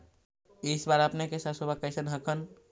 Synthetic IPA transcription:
isbaɾəpnekesəsobʱakəɪsenɦəkʰən

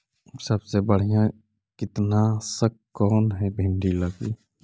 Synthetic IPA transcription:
səbsebəɽ̤ijã | kɪt̪nasək | kːɔːnɦɛbʱɪɳɖiləɡi

